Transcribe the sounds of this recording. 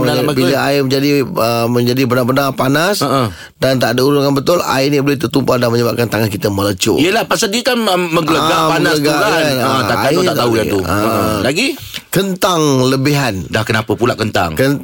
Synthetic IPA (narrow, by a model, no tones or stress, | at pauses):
biləaɪməɲd͡ʒadiəmə̃ɲd͡ʒadibənabənapanasə | dant̪aʔdəuɾʊnkanbət̪ʊla̰ɪnibolɪht̪ərt̪umpadanməɲəbap̚kant̪aŋankit̪əmələt͡ʃʊ̰ʔijəlahpasadiəkanəməŋɡələɡapanaləɡaaanəaʔaait̪aʔt̪aujauəlaɡi | kənt̪aŋləbiɦandahkənapəpulaʔkənt̪a̰ŋkən